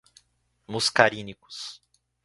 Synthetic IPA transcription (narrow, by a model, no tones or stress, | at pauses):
muskaɾĩnikʊ̥s